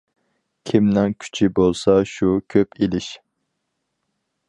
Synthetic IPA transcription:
kʲʰimnɛŋkʲʰy̥t͡ʃʰibolˠsɑʃukʲʰøpʰilɪʃ

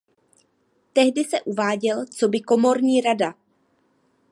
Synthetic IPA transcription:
t̪ɛɦdɪsɛʔuvaːɟɛlt͡so̞bɪko̞mo̞ɾɲiːɾada

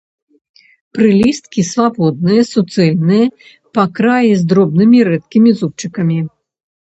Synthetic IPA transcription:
pɾɨlʲist̪̚kʲisvabɔd̪̚nɨjɐsut̪sɛlʲnɨjɐ | pakɾajizd̪ɾɔbnɨmʲiɾɛt̪̚kʲimʲizup̚t͡ʂɨkɐmʲi

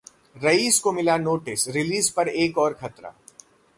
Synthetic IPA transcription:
ɾɐiːskomɪlanoːʈɪsɾɪliːzpɐɾeːkɔːɾkʰɐt̪ɾa̰ː

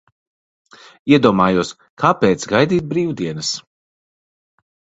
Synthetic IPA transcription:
iɛd̪uɔmaːjuɔs | kʰaːpɛːt̪sɡajd̪iːt̪̚bɾiːwd̪iɛnɐs

